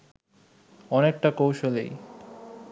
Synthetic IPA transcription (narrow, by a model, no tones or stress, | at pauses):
ɔnek̚ʈakowʃolḛj